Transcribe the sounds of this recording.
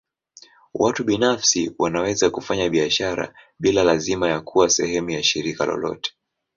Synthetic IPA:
watuɓinafsiwanawɛzakufaɲaɓiaʃaɾa̰ | ɓilalazimajakʰuwasɛhɛmujaʃiɾikalɔ̰lɔ̰tɛ̥

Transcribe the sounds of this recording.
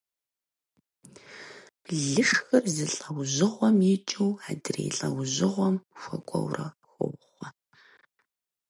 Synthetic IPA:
ɮɨʂxɨrzɨɬʼɐwʑɪʁʷɔmjɪt͡ʃʼɨwaːdɨrḛːɬʼɐwʑɪʁʷɔmxʷɐkʷʼɔwrɐ | xʷʊwχʷɔ

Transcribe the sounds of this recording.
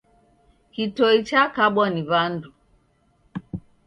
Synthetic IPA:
kitɔit͡ʃakaɓwɔniβandu

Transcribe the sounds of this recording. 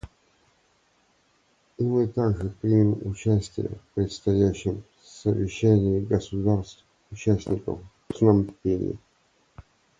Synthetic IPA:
imɨt̪aɡʐɨpɾʲimʲɪmʊt͡ɕæsʲtʲɪ̰jə̰fpɾʲɪt̪st̪ɐjæɕːɪm | səvʲɪɕːænʲɪɪɡəsʊd̪arst̪ | ʊt͡ɕæsʲnʲɪkə̰f | snampʲenʲɪ̰

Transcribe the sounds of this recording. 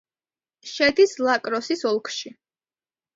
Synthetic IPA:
ʃɛd̪islˠakʼɾɔsisɔlˠkʰʃi

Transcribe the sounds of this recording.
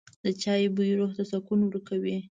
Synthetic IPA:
d̪ət͡ʃɑjbujɾoxt̪asakunwɾkawi

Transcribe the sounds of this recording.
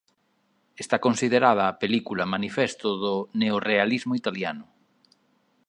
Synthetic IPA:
est̪akonsið̞eɾað̞aːpelikulamanifest̪ʊðoneorealizmʊit̪aljanʊ

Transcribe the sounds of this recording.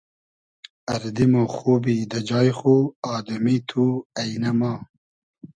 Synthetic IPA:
ɐɾd̪imoxoːbid̪ɐd͡ʒɑːjxuɑːd̪umit̪ʰuɐjnɐmɑː

